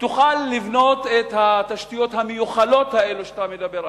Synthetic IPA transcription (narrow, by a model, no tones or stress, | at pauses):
t̪uχalːivno̞t̪et̪hataʃt̪ijo̞t̪hamejuχalo̞t̪haeluʃe̥t̪amed̪abeʁ